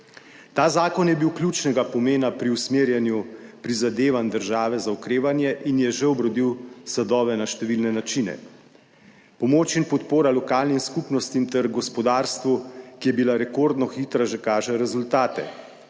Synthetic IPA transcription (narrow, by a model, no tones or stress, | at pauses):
t̪aːzaːkɔnjɛbiwklʲut͡ʃnɛɡapɔmeːnapɾiusmeːɾjɛnjupɾizad̪eːʋand̪əɾʒaːʋɛzaukɾeːʋanjɛʔinjɛʒɛɔbɾɔd̪iwsad̪ɔːʋɛnaʃt̪ɛʋilnɛnat͡ʃinɛ̰ | pɔmoːt͡ʃinpɔt̪poːɾalɔkaːlnimskupnɔst̪int̪ɛɾɡɔspɔd̪aːɾst̪ʋukijɛbilaɾɛkoɾd̪nɔxit̪ɾaʒɛkaːʒɛɾɛzult̪aːt̪ɛ̰